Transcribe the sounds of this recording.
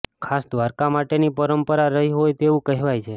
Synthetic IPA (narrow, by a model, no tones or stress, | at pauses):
kʰasd̪ʋaɾkamaʈenipəɾəmpəɾaɾəɦiɦojt̪eʋũkəɦɛʋajt͡ʃʰe